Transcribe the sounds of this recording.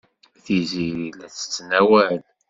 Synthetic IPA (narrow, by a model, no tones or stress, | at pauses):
θiziɾilæt͡sːə̥t͡sːnæwæl